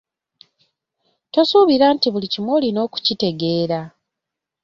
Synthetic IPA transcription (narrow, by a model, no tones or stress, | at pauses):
to̞suβiɾaːntiβulicimwo̞ːlino̞ːku̥cite̞ɡe̞ːɾa